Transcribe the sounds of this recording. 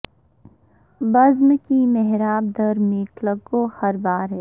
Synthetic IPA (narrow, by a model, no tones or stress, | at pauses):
bɐzmkimɛɦɾaːb̚d̪əɾmiːʈləɡohɐɾbaːɾɦɛː